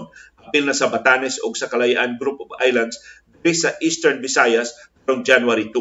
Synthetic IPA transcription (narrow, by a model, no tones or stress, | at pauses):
nʔɐbɪlnɐsɐbɐt̪anɛsoɡsɐkɐlɐjaʔanɡɾupova̰jlɐnd̪sd̪ɪɾɪsɐʔist̪ɛɹnbɪsajɐspaɾoŋd͡ʒanuwaɾit̪u